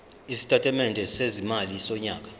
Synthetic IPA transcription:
isi̥tʰʼatʰɛmɛndʱɛsezimalisɔɲaːk̬ḁ

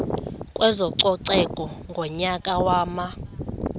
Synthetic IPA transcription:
kʼwʔɛzɔǀɔǀɛkʼɔŋɡʱɔɲakʼawaːma

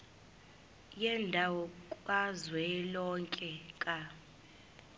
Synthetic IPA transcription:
jɛndʱawɔkʼwazwɛlɔŋkʼɛkʼa

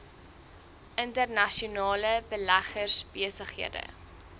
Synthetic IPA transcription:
ʔəntərnɐʃunɑːləbəlæχərsbiəsəχiədə̰

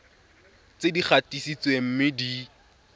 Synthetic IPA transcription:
t͡sedik͡xʰatisit͡swem̩mɪdi

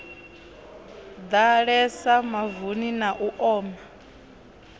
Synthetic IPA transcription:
d̪aɺɛsamavuninaʔuʔɔːma

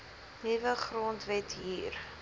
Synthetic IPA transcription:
nivəχroːntvɛtɦiːr

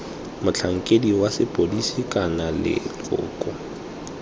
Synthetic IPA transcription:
mʊt͡ɬʰaŋ̩kʼediwasɪpʼodisikʼanalɪ̰lʊ̰ːkʼɔ

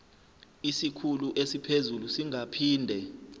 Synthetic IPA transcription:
isikʰuluʔesipʰezulusiŋapʰiːndʱɛ

